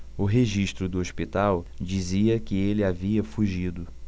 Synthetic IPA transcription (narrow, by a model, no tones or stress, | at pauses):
ʊɦeʒiʃt̪ɾʊd̪ʊoʃpit̪awd͡ʒiziɐkɪelɪaviɐfuʒid̪ʊ